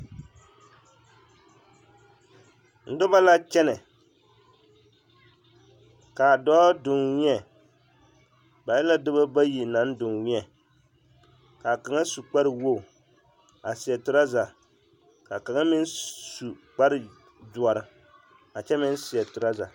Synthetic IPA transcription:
n̩˨dʊ˦ba˦la˦t͡ʃɛ˦nɨ˨ | ka˨dɔ˦dʊ˨ŋwi˦ɛ˨ | ba˨jɛ˦la˦dɨ˦ba˦ba˦ji˨na˨˦n˦dʊ˨ŋwi˦ɛ˨ | ka˨ka˨ŋa˦su˨k͡pa˦ɾɨ˨wo˦˨ | a˨sɪ˨ɛ˨tʊ˨ɾa˦za˨ | ka˨ka˨ŋa˦mɪ˦nsu˨k͡pa˦ɾɨ˨ | du˨ɔ˨ɾɨ˦ | a˨t͡ʃɛ˦mɪ˦n˦si˨ɛ˨tʊ˨ɾa˦za̰˨

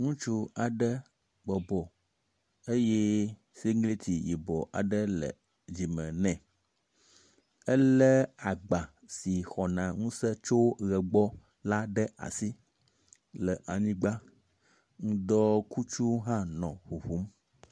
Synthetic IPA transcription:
ŋũ˦t͡ʃu˦a˨ɖə˦ | ɡ͡bɔ˨bɔ˨ | e˦je˦ | si˦ŋɡli˦t̪ʰi˨ji˨bɔ˨ʔa̰˨ɖə˦lə̰˨ | d͡ʑi˨mɛ̃˨nɛ̃˨ | ə˦lə˦a˨ɡ͡ba˨ | si˨xɔ˨nã˨ŋũ˦sə˦t͡ʃo˦wɣɛ˨ɡ͡bɔ˦ | la˦ɖə˦a̰˨si˦ | lə˨ʔa˨ɲĩ˦ɡ͡ba˦ | ŋũ˦d̪ɔ˦ku˦t͡ʃu˦ɦã˦nɔ̃˨ɸu˨ɸu˦m

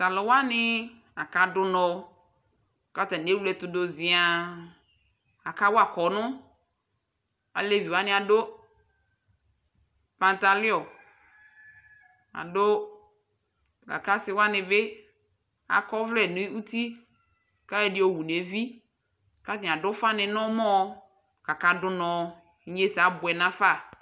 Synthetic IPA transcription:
sa˨lɔ˨wa˦nɪ˦ | a˨ka˨dʊ˦nɔ˨˦˨ | ka˨ta˨n˨e˦wu˦lɛ˨tʊ˨do˨zɪ˨a˨ | a˨ka˦wo˦a˨kɔ˨˦nʊ̃˦ | a̰˨le˦˨vi˨wa˦nɪ̃˦a˨do˦ | pã˨nta˨lɪ˦ɔ˨ | a̰˨dʊ˦ | ka̰˨ka˦sɪ˦wa˦nɪ̃˨bɪ˦ | a̰˨kɔ˦vlɛ˨nɪ˦u˦ti˦ | ka˦ɛ˦dɪ˦o˨wu˨n˨e˨˦vi˦ | ka˦tɪ̃˨a˨dʊ˦fa˦nɪ̃˨nɔ̃˦mɔ̃˦ | ka˨ka˨dʊ˦nɔ̃˨˦ | ɲe˦sa˨˦bʊ˨ɛ˨nã˦fa˦˨

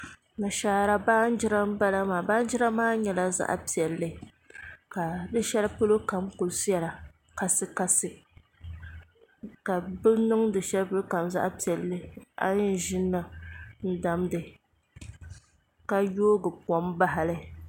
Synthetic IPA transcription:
na˨ʃaː˨˦ɾa˦baː˦n̩˦d͡ʒɪ˦ɾa˦m˦ba˦la˦maː˨baː˦n˦d͡ʒɪ˦ɾa˦maː˦ɲɛ˨la˦za̰˦ʔa̰˨pi˨ɛ˨lːɨ˨ | ka˨dɨ˦ʃɛ˦lpɨ˦lo˦ka˨mkʊ˨lsjɛ˨la˨ | ka˦sɨ˦ka˦sɨ˨ | ka˨bɨ˦lnɨ˦ŋdɨ˨ʃɛ˦lpɨ˦lka˨mza̰˦ʔpi˨ɛ˨lːɨ˦a̰˦ɲɪ˦ʒɪ˦nːɨ˨n̩˦da˨mdɨ˨ | ka˦joː˦ɡɨ˨pɔ˨mba˦ɦa˨lɨ˦

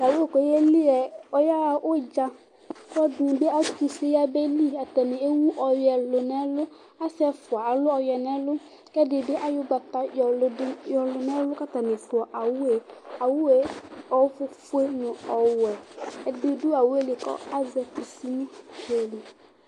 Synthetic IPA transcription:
ja˨wo˦e˦˨kɔ˨je˦li˦ɛ˨ɔ˦ja˦˨ʔʊ˦d͡ʒa˦ | kɔ˦dʊ˨bɪ˦a˦tu˨se˦ja˦bɛ˦li˦a˨tɛ˨nɪ˨e˦wu˦ʔɔ˨jɛ˨lʊ˨nɛ˦lʊ˦ | a˦sɪ˦ɛ˦fʊ˨a˨a˨lʊ˦ɔ˨jɛ˨nɛ˦lʊ˦ | kɛ˦dɪ˨bɪ˦ʔa˦jʊ˦ɡ͡ba˨ta˦jɔ˨lʊ˨dɪ˦jɔ˨lʊ˨nɛ˦lʊ˦ka˦ta˨nɪ˨fʊ˨ɔ˨ʔa˨wʊ˦e˨a˨wu˦e˨ɔ˨fʊ˦fʊ˦e˦nʊ̃˨ɔ˨wɛ˨ɛ˨dʊ˦dʊ˦a˨wʊ˦e˦lɪ˨kɔ̰˦a˦zɛ˨pi˨si˦nʊ̃˦ke˨li˨

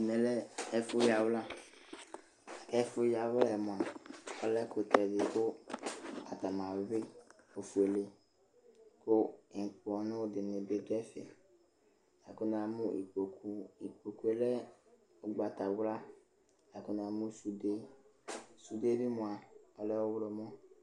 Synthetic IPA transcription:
nɛ̃˨lɛ˦ɛ˦fʊ˦ja˨wla˦˨ | kɛ˦fʊ˦ja˨wlɛ˨mʊ̃˨a˨ɔ˦lɛ˦kʊ˨t̪ɛ˨dɪ˨kʊ˦ | a˨t̪a˨mã˨we˨be˦o˨fu˨e˨le˨ | kʊ˦˨k͡pɔ˨nʊ̃˦dɪ˨nɪ̃˨be˦d̪ɛ˦fɛ̰˨ | a˨kʊ˦n˦a˨mũ˦ḭ˨u˦i˨k͡po˨ku˦e˨˦lɛ˦ | o˨ɡ͡ba˨t̪a˨wla˦ | a˨kʊ˦n˦˨a˨mũ˦su˨de˦ | su˨de˦bɪ˦mʊ̃˨a˨ɔ˦lɛ˦wɔ˦wɾɔ˨mɔ̃˦

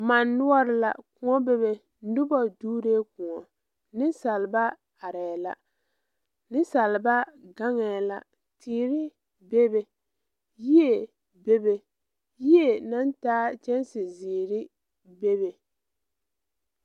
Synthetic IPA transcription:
ma˨nːʊ˦ɔ˦ɾɪ˨la̰˨kʊ˨ŋɔ˦be˦βe˨ | n̩˦dʊ˦bɔ˦duː˦ɾeː˦kʊ˨ŋɔ˨ | nɪ˦sa˨lba˦ | a˨ɾɛː˨la̰˨ | nɪ˦sa˨lɪ˨ba˦ɡa˦ŋɛ˨la˨ | tʰiː˦˨ɾɪ˦ | be˦be˨ | ji˦e˨ | be˦be˨ | ji˦e˨na˦ntaː˦t͡ʃɛ˦nsɪ˨ziː˨ɾɪ˦ | be˦be˨

